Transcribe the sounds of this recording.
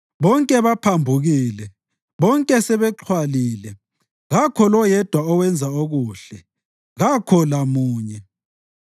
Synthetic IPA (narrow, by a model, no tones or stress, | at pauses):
βɔŋkʼɛβapʰambʱuɣiːlɛ | βɔŋkʼɛsɛβɛǃʰwaliːlɛ | ɣakʰɔlɔjɛd̥ʱwaɔwɛnd͡zʱaoɣuːɬɛ | ɣakʰɔlamuːɲɛ